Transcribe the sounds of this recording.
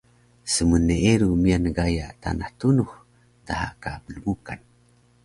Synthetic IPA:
səmənːeeɾumianəɡajaʔt̪a̰naht̪unuh | t̪aha̰kapələmukan

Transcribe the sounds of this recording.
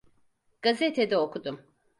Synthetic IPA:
ɡ̥azet̪ʰed̪ɛokud̪um

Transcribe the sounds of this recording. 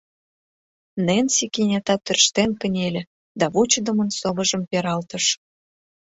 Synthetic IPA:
nensikinʲet̪ɑt̪ːø̆rʃt̪enkə̆nʲelʲĕ | d̪ɑβut͡ɕəd̪ə̆mənsoβə̆ʒə̆mpeɾɑlt̪ə̆ʃ

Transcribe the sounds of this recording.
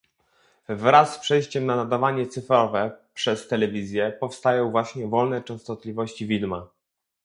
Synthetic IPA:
vɾasːpʂɛjɕt͡ɕɛmnanad̪avaɲɛt̪sɘfɾɔvɛpʂɛst̪ɛlɛvʲizʲjɛpɔfst̪ajɔ̃w̃vwaɕɲɛvɔlnɛt͡ʂɛ̃w̃st̪ɔt̪lʲivɔɕt͡ɕivʲid̪ma

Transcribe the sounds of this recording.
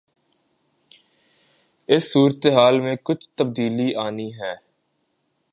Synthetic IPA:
ɪsːuːɾət̪eɦaːlmẽːkʊt͡ʃʰt̪əb̚d̪iːliːʔaːniːɦɛː

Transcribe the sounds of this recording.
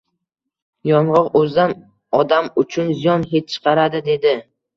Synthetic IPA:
jɒɴʁɒqɵzd̪an | ɒd̪amʊt͡ʃʰʊnzijɒnhet̪̚t͡ʃʰɨ̥qʰɑɾad̪ɪd̪e̞d̪ɪ

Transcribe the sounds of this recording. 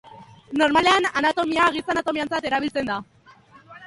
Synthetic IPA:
no̞ɾmale̞ananat̪o̞miaɣit͡sanat̪o̞miant͡sat̪e̞ɾaβilt͡se̞nd̪a

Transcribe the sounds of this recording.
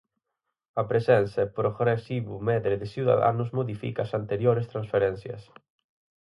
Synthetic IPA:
ɐpɾesɛnθɐpɾoɣɾesiβʊmɛðɾɪðɪsiða̰ða̰nʊzmoðifḭkaːsant̪eɾjoɾest̪ɾãnsfeɾɛnθjɐ̰s

